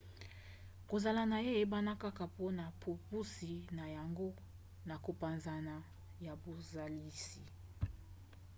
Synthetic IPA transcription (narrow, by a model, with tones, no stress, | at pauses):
ko˨za˨la˨na˨je˦e˦ba˦na˦ka˦ka˨po˦na˨pʰo˨pu˦si˨na˨ja˨ŋɡo˦ | na˨ko˨pa˨nza˨na˨ | ja˨bo˨za˨li˦si˨